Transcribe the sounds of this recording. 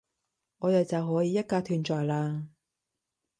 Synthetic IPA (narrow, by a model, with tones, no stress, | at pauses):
ŋɔː˨˧jɐ˨˩t͡sɐ˨wɦɔː˨˥jiː˨˧jɐ˥t̚kaː˧t̪ʰyː˨˩nt͡ʃɔː˨jlaː˧